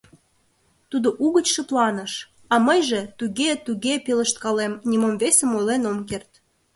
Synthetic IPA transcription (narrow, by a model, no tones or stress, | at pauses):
t̪ud̪oʔuɣət͡ɕʃə̆plɑnə̆ʃ | ɑməjʒet̪uɣet̪uɣepilə̆ʃt̪̚kɑlemnʲimomvesəmojlenomkert̪